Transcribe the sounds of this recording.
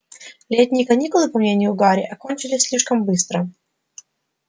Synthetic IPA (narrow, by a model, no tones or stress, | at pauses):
lʲet̪ʲnʲɪjəkɐnʲikʊlˠɨpɐmnʲenʲɪjʊɡaɾʲɪ̰ʔɐkonʲt͡ɕɪlʲɪsʲsʲlʲiʂkəmbɨst̪ɾə